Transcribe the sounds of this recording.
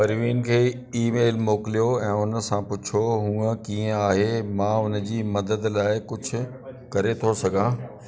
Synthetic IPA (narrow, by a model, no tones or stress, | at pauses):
pɐɾʋiːnkʰeː | iːmeːlmoːkɪlijoɛ̃ːʊnə̆sãpʊt͡ɕʰoɦũːəkiːə̃aːɦemãːʊnd͡ʑiːmɐd̪əd̪laːɪkʊd͡ʑʱʰʊ̆ | kɐɾet̪ʰosɐɡʱãː